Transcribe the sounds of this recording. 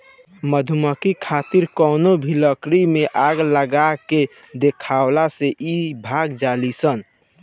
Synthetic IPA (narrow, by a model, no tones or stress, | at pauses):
məd̪ʱuməkikʰat̪iɾkɔnobʱiləkɾimeʔaɡləɡake | d̪ekʰawlaseʔibʱaɡd͡ʒalisən